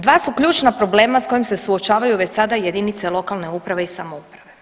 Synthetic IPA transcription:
d̪ʋaːsukʎʲuːt͡ʃnapɾo̞ble̞ːmasko̞jimse̞suo̞t͡ʃaːʋajuʋe̞t͡ɕsad̪aje̞d̪init̪se̞lˠo̞kalne̞upɾaʋeisamoupɾaʋe̞

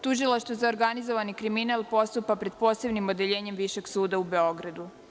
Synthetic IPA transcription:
t̪uʒilˠaʃt̪vʋozaoɾɡanizoʋanikɾiminalˠpo̞st̪upapɾe̞d̪̥po̞ːse̞bnimo̞d̪e̞ʎe̞ːɲe̞mʋiʃeɡsuːd̪aube̞o̞ɡɾad̪u

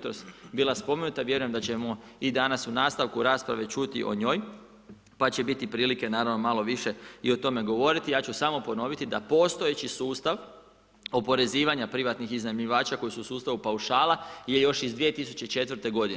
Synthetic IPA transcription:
t̪ɾost̪bilˠaspo̞menut̪aʋje̞ɾujemd̪at͡ɕe̞moid̪anasunaːst̪aʋkuɾaːspɾaʋe̞t͡ʃut̪ḭʔo̞̰ɲo̞ːj | pat͡ɕebit̪ipɾiːlike̞naːɾaʋno̞malˠo̞ʋiʃe̞io̞t̪o̞me̞ɡo̞ʋo̞ɾit̪ijaːt͡ɕusamo̞po̞no̞ʋit̪id̪apo̞ːst̪o̞jet͡ɕisuːst̪aʋ | o̞po̞ɾe̞ziːʋaɲapɾiʋat̪nixiznamʎiʋaːt͡ʃako̞jisuusuːst̪aʋupauʃaːlˠaje̞jo̞ʃizd̪ʋie̞t̪isut͡ɕe̞t͡ʃe̞t̪ʋəɾ̩t̪e̞ɡo̞d̪in

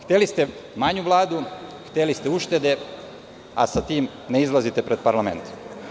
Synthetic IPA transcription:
xt̪elist̪e̞ | maɲuʋlˠaːd̪uxt̪elist̪euʃt̪e̞d̪e̞ | a̰sat̪iːm | ne̞izlˠazit̪e̞pɾe̞d̪̚paɾlˠame̞̰nt̪

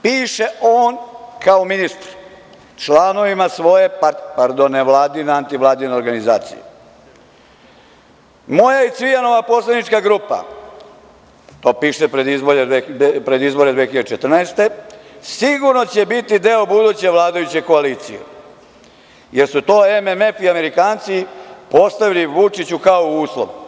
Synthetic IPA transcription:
piːʃe̞oːnkaominist̪ɾ | t͡ʃlˠaːno̞ʋimasʋo̞je̞papaɾd̪onːeʋlˠaːd̪ineant̪iʋlˠaːd̪ineoɾɡanizaːt̪sḭjḛ | mo̞jaisʋijano̞ʋapo̞sled̪nit͡ʃkaɡɾupa̰ | t̪o̞ːpiːʂepɾed̪izboɾed̪epɾed̪izbo̞ɾed̪ʋexiʎad̪et͡ʃet̪r̩neːst̪e̞siɡuɾno̞t͡ɕe̞bit̪id̪e̞o̞bud̪uːt͡ɕeʋlaːd̪ajut͡ɕeko̞aliːt̪sḭjḛ | je̞ɾsut̪o̞ːememe̞fiame̞ɾikaːnt̪sipo̞st̪aʋiliʋut͡ʂit͡ɕukaouːslˠo̰ʋu

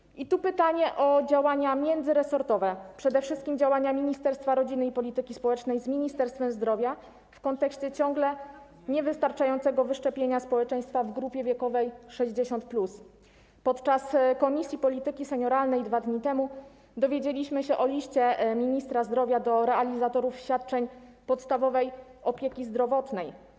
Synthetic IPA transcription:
it̪upɘt̪aɲɛʔɔd͡ʑawaɲamʲjɛnd̪zɘɾɛsɔɾt̪ɔvɛpʂɛd̪ɛfʂɘst̪̚kʲimd͡ʑawaɲamʲiɲist̪ɛɾst̪faɾɔd͡ʑinɘipɔlʲit̪ɘkʲispɔwɛt͡ʂnɛjzmʲiɲist̪ɛɾst̪fɛmzd̪ɾɔvʲja | fkɔnt̪ɛkɕt͡ɕɛt͡ɕɔŋɡlɛ | ɲɛvɘst̪aɾt͡ʂajɔnt̪sɛɡɔvɘʂt͡ʂɛpʲjeɲaspɔwɛt͡ʂɛ̃j̃st̪favɡɾupʲjɛvʲjɛkɔvɛjʂɛʑd͡ʑeɕɔnt̪̚plus | pɔt̪t͡ʂaskɔmʲisʲjipɔlʲit̪ɘkʲisɛɲɔɾalnɛjd̪vad̪ɲit̪ɛmu | d̪ɔvʲjed͡ʑelʲiɕmɘɕɛʔɔlʲiɕt͡ɕɛmʲiɲist̪ɾazd̪ɾɔvʲjad̪ɔɾɛʔalʲizat̪ɔɾufɕfʲat̪̚t͡ʂɛɲpɔt̪st̪avɔvɛjɔpʲjekʲizd̪ɾɔvɔt̪nɛj

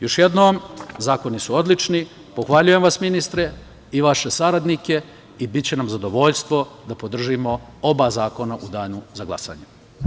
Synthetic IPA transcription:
jo̞ʃje̞d̪noːmzaːko̞nisuo̞d̪lit͡ʃni | po̞xʋaʎuje̞mʋasminist̪ɾe | iʋaʃe̞saɾad̪nike̞ | ibit̪t͡ɕe̞namzad̪o̞ʋo̞ʎst̪ʋo̞d̪apo̞d̪r̩ʒimo̞o̞bazaːko̞naʔud̪aːnuzaɡlˠa̰sa̰ːɲe

